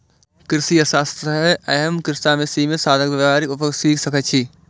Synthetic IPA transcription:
kɾɪsijɐsaːst̪ɾəɦɛʔɐɦəmkɾɪst̪aːmesimẽsaːd̪ʱəkbɐʋaːɾikʊpəksiːkʰsɐkət̪t͡ʃʰi

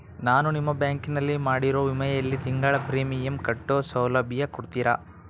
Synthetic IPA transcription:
naːnunimːɐbjaːŋkinɐlːimaːɽiɾoːʋimɐjɐjɐlːit̪iŋɡaːɭɐpɾiːmijɐmkɐʈːoːsɐwlɐbʱjɐkuɽt̪iːɾa̰ː

